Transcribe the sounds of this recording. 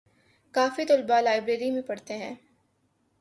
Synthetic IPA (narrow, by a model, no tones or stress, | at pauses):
kaːfit̪ʊlbalaːɪbɾeːɾimẽpɐɽt̪eɦɛ̃ː